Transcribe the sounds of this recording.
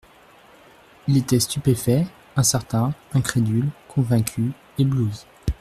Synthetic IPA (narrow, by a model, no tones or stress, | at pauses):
ilet̪ɛst̪ypefɛ | ɛ̃sɛʁt̪ɛ̃ɛ̃kχed̪ylkʰɔ̃vɛ̃kʲʰy | ebluz